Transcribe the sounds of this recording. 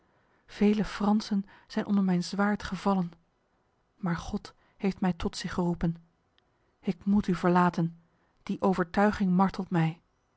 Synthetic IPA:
v̥ejləfrɑnsənz̥ɛjnʔɔndəɹmɛjnzʋaːɹtχəvɑlən | maːɹχɔt | hejftmɛjtɔtsɪχərupən | ɪkmutyvəɹlaːtən | d̥iʔowvəɹtœɥχɪŋmɑɹtʰəlˠtmɛj

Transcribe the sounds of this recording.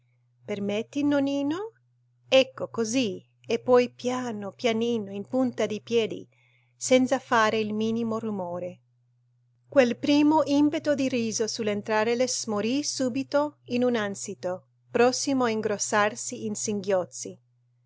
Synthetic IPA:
permet̪ːinːoniːno | ɛkːokozi | epːɔjpjaːnopjaniːnoinpunt̪ad̪ipjɛːd̪ḭ | sɛnt̪safaːɾeilmiːnimorumoːɾe | kwelpɾiːmoʔimpet̪od̪iriːzosulːent̪ɾaːɾelesmoɾisuːbit̪oinunansit̪o | pɾɔsːimoaiŋɡɾosːarsiinsiŋɡjɔt̪si

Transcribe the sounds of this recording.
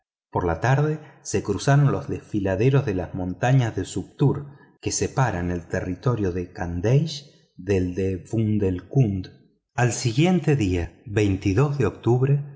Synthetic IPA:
po̞ɾlat̪aɾðe̞se̞kɾusaɾo̞nlo̞zðesfilaðeɾo̞zðelazmõ̞nt̪aɲazðesup̚t̪uɾ | ke̞sepaɾane̞lt̪erit̪o̞ɾjo̞ðekand̪ejʃ | ðeld̪efund̪elkund̪ | alsiɣje̞nt̪eðiaβejnt̪iðo̞zðeo̞k̚t̪uβɾe

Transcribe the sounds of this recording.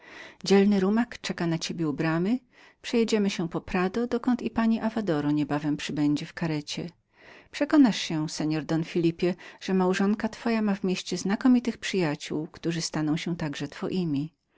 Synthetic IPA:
d͡ʑɛlnɘɾumakt͡ʂɛkanat͡ɕebʲjɛubɾamɘ | pʂɛjɛd͡ʑɛmɘɕɛpɔpɾad̪ɔd̪ɔkɔnt̪ipaɲiʔavad̪ɔɾɔɲɛbavɛmpʂɘbɛɲd͡ʑɛfkaɾɛt͡ɕɛ̰ | pʂɛkɔnaʂɕɛsɛɲɔɾd̪ɔnfʲilʲipʲjɛʐ̥ɛmawʐɔŋkat̪fɔjamavmʲjeɕt͡ɕɛznakɔmʲit̪ɘxpʂɘjat͡ɕuwkt̪uʐɘst̪anɔ̃w̃ɕɛt̪aɡʐɛt̪fɔ̰ʔimʲi

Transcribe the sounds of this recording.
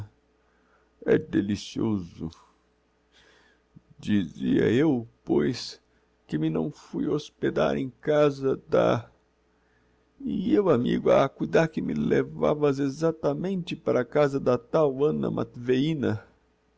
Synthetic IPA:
ɛ̰d̪elisiozʊ̰ | d͡ʒiziɐ̰ewpojs | kɪmɪnɐ̰̃w̃fujosped̪a̰ɾẽj̃kazɐd̪ɐ̰ | iewamiɡʊakujd̪aɾkɪmɪleva̰vɐzezat̪ɐmẽnt̪ɪpaɾɐkazɐd̪ɐt̪awɐ̃nɐ̰mʔa̰t̪veĩnɐ

